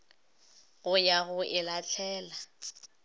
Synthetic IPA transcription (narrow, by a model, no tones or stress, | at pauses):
ɣʊjaɣʊʔɪlat͡ɬʰɛːla